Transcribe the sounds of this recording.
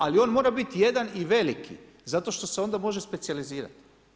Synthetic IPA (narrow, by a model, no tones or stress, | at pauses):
alio̞ːnmo̞ːɾabit̪je̞d̪aniʋe̞likʰḭ | zat̪o̞ʃt̪o̞seo̞nd̪amo̞ʒespe̞t̪sializiːɾa̰t̪i̥